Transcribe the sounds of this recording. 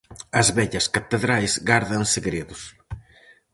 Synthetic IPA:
ɐzβɛʎɐskat̪eðɾajzɣaɾðɐnseɣɾeðʊs

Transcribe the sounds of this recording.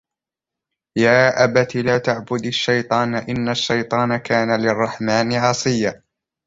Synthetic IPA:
jaːʔabat̪ilaːt̪aʕbʊd̪aʃːɑjt̪ˤɑːnaʔɪnːaʃːɑjt̪ˤɑːnakaːnalɪrˤːɑħmaːnɪʕɑsˤɨjːa

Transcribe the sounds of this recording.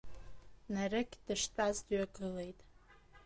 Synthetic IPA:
narɨkʲd̥ɨʂtʷʼazdɥaɡɨlejtʼ

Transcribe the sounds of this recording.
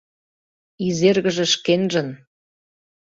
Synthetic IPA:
izerɣə̆ʒĕʃkenʒə̆n

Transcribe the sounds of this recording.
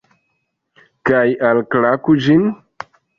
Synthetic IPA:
kajalklakud͡ʒin

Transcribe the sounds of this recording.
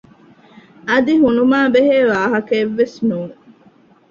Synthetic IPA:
ɐd̪iɦunumaːbeɦeːʋaːɦɐkɐːʋːesnuːn

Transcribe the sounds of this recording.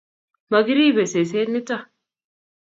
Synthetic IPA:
mɐɡɪɾiːbɛses̬eːt̪mɪt̪ːɐ

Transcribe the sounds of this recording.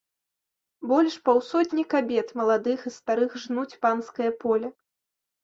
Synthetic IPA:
bɔlʲʂpawsɔd̪ʲnʲikabʲɛt̪mɐlˠad̪ɨxist̪aɾɨxʐnut͡sʲpanskɐjɐpɔlʲɐ

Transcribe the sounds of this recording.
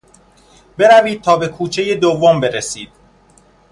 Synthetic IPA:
be̞ɾæviːd̪̚t̪ʰɒːbe̞kʰuːt͡ʃʰeje̞d̪ovːombe̞ɾesiːd̪̥̚

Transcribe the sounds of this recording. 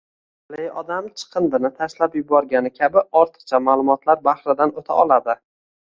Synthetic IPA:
lejɒd̪amt͡ʃʰɨ̥qʰɨnd̪ɪnɪt̪ʰaʃlapjʊbɒɾɡʲanɪkʲʰabɪɒɾt̪ʰɨ̥qt͡ʃʰamaːlˠʊmɒt̪laɾbahɾɪd̪anot̪ʰa̰ʔɒlˠad̪ɪ

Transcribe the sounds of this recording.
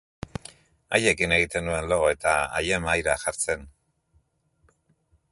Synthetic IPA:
aje̞kine̞ɣit̪e̞nue̞nlo̞e̞t̪aa̰je̞majɾaʝaɾt͡se̞n

